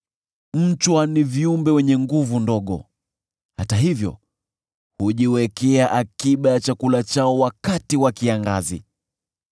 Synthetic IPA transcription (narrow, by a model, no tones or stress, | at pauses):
m̩t͡ʃwaniviumbɛwɛɲɛŋɡuvundɔɠɔ̰ | hataɦivjɔ̰ | huʄiwɛkɛaʔakiɓajat͡ʃakulat͡ʃaɔwakatiwakiaŋɡa̰zḭ